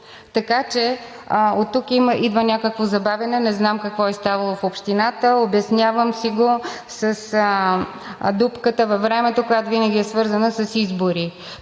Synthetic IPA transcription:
t̪ɐkat͡ʃɛ | ot̪ːukiməʔid̪vənʲakəkvozɐbavʲjɐnɛnɛznamkɐkvɔɛst̪avɐlˠofopʃt̪inat̪əobɐsnʲjavəmsiɡo | səs | d̪upkət̪əvɐvɾɛmɛt̪okojat̪ovinəɡʲiɛsvɤɾzənəsɐsizboɾi

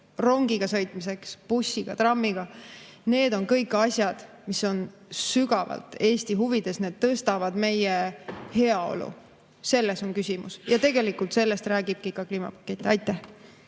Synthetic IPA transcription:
ro̞ŋɡ̥iɡ̥ɑsɤ̞jt̪ˑmis̬e̞kspusʲːiɡ̥ɑt̪rɑmːiɡ̥ɑne̞ːd̪̥o̞nkɤ̞jkːˑɑsʲjɑd̪̥ | miso̞nsyɡɑvɑ̰lt̪ˑe̞ːsʲt̪iɦuvid̪̥e̞sne̞ːd̪̥̚t̪ɤst̪ɑvɑd̪̥me̞jehe̞ɑo̞̰lṵ | se̞lːeso̞nkysʲimṵsjɑt̪e̞ɡe̞likːˑult̪se̞lːe̞st̪ræːɡib̥̚kikɑkliːmɑ̰pɑ̥kːˑe̞t̪ʲːˑiɑjt̪ːˑæh

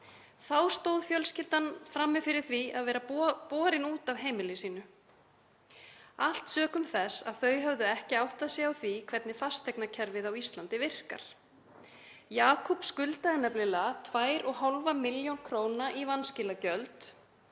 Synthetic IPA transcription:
θawst̪oːwðfjœlscɪlt̪anfɾamːɪfɪɾɪɾ̥θvia̰ðvɛːɾapɔːɾɪnuːt̪avɦeːjmɪlɪsiːnʏ | al̥t̪sœːkʏmθɛsa̰ðθœːɥɦœvðʏɛhcɪawht̪asjɛawθvikʰvɛt̪nɪfast̪ɛjknacʰɛɾvɪðawist̪lant̪ɪvɪr̥ka̰ɾ̥ | jaːkʰɔpskʏlt̪aɛnːaplɪlat̪ʰvaːjɾɔɣɦalvamɪljownkʰɾoːwnaʔivanscɪlacœlt̪

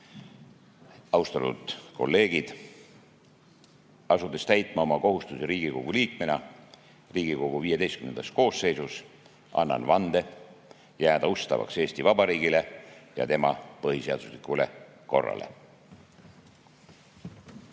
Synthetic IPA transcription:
ɑwst̪ɑt̪ud̪̥ko̞̰lːe̞ːɡ̥id̪̥ | ɑsud̪e̞st̪æjt̪ˑmɑo̞mɑko̞ɦust̪useɾiːɡ̥iko̞ɡ̥uliːk̚menɑ | riːɡ̥iko̞ɡ̥uviːjed̪est̪kymnend̪ɑst̪ko̞ːsːe̞jsus | ɑ̰nːɑ̰nvɑnd̪e̞ | jæːd̪̥ɑust̪ɑ̰vɑ̰kse̞ːst̪ivɑb̥ɑɾiːɡ̥ile̞jɑ̰t̪e̞mɑpɤɦise̞ɑd̪̥uslikule̞ | ko̞̰rːɑ̰lʔḛ

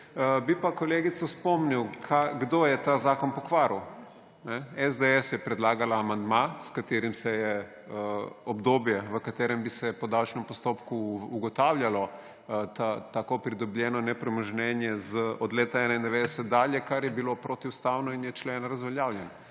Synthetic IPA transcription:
bipakoleːɡit̪sɔspɔmniwkʰaɡd̪oːjɛt̪azaːkɔnpɔkʋaːɾu | nɛɛzd̪eɛsjɛpɾɛd̪laːɡalaːmand̪maskat̪eːɾimsɛjɛ | ɔbd̪oːbjɛʋəkat̪eːɾɛmbisɛpɔd̪awt͡ʃnɛmpɔst̪oːpkuːɡɔt̪aːwljalɔ | t̪at̪akopɾid̪ɔblʲjɛnɔnɛpɾɛməʒnɛːnjɛzəɔd̪leːt̪aɛnaind̪ɛʋeːd̪ɛsɛt̪̚d̪aːljɛkaɾjɛbilopɾoːt̪iust̪awnɔinjɛt͡ʃleːnaɾɐzʋɛljaːwljɛn

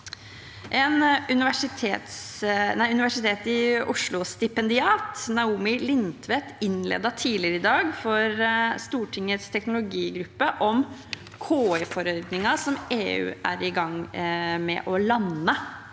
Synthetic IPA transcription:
ʔɛnʉnɪʋæʂɪt̪ʰeːt̪snæɪʉnɪʋæʂɪt̪ʰeːt̪ɪʊʂɭʊst̪ɪpɛnd̪ɪɑːt̪nɑuːmɪlɪnt̪ʰʋɛt̪ɪnlḛːd̪ɑt̪ʰiːlɪɾəɪd̪ɑːɡfɔɾst̪uːʈʰɪŋət̪st̪ʰɛknʊlʊɡiːɡɾʉpːəʔɔm | kʰoːɛfɔɾœʏd̪nɪŋɑsɔmeːʉ̰ːæ̰ɾɪɡɑŋːmɛ̰ʔɔlɑnːə

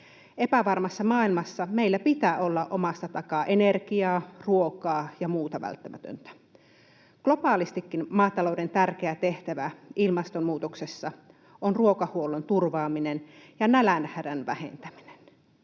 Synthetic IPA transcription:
epæʋɑrmɑsːɑmɑːilmɑsːɑmeilːæpit̪æːʔo̞lːɑʔʔomɑst̪ːɑt̪ɑkɑʔenerkiɑːruokɑːjɑmuːt̪ɑʋæ̰lt̪ːæmʔæt̪ø̰nt̪æ̥ | ɡ̥lo̞pɑːlist̪ikːinmɑːt̪ɑloude̞nt̪ærk̟eæt̪eht̪æʋæʔilmɑst̪ommuːt̪oksesːɑ | onruokɑhuolont̪urʋɑːminenjɑnælænhæɾænʋæhḛnt̪æmi̥ne̥n

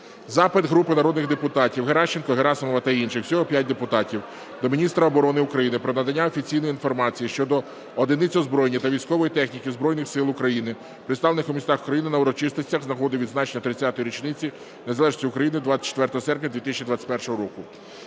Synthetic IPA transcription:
zɑpɪd̪ɦɾupɪnɐɾɔd̪nɪɣd̪epʊt̪ɑtʲiwɦeɾɑʃt͡ʃːenkɔɦeɾɑsɔmɔʋɐt̪ɐinʃɪxsʲɔɦɔpʲjat̚ʲd̪epʊt̪ɑtʲiw | d̪ɔmʲinʲist̪ɾɐɔbɔɾɔnɪʊkɾɐjinɪpɾɔnɐd̪ɐnʲːaɔfʲit͡sʲijnɔjinfɔrmɑt͡sʲijiʃt͡ʃɔd̪ɔ | ɔd̪ɪnɪt͡sʲɔzbɾɔjenʲːit̪ɐʋʲijsʲkɔʋɔjit̪ɛxnʲikɪzbɾɔjnɪxsɪlˠʊkɾɐjinɪ | pɾɪt̪st̪ɑʋlenɪxumʲist̪ɑxukɾɐjinɪnɐʊɾɔt͡ʃɪst̪ɪt͡sʲːɐɣznɐɦɔd̪ɪʋʲid̪znɑt͡ʃenʲːɐt̪ɾɪt͡sʲːat̪ɔjiɾʲit͡ʃnɪt͡sʲi | nezɐlɛʒnɔsʲiʊkɾɐjinɪd̪ʋɑsʲɐ̥t͡ʃːe̥t̪ʋɛrt̪ɔɦɔsɛrpʲnʲɐd̪ʋʲit̪ɪsʲt͡ʃʲid̪ʋɑt͡sʲːɐ̥pɛrʃɔɦɔɾɔkʊ

